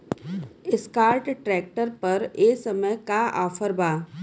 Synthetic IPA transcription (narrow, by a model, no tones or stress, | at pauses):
ɪskaːɾʈʈɾɛːk̚ʈəɾpɐɾeːsɐməjkaa̰ːfʰəɾbaː